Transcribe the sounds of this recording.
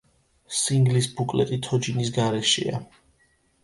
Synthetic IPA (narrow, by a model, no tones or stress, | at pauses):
siŋɡlisbukʼlɛ̰t̪ʼit̪ʰɔd͡ʒinis̬ɡaɾɛʃɛ̰a